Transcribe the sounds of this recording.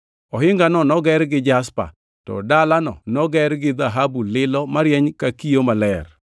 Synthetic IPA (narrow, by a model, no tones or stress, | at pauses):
ɔɦɪŋɡanɔnɔɡɛɾɡɪd͡ʒaspa̰ | tɔ̰dalanɔ̰nɔɡɛɾɡɪd̪aɦabulɪlɔmaɾjɛɲkakijomalɛr